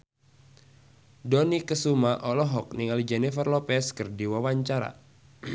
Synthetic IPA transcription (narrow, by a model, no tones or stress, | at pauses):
dɔnikəsumaʔɔlɔɦɔk̚niŋald͡ʒɛnifərlɔpɛskərdiwawaɲt͡ʃaɾa̰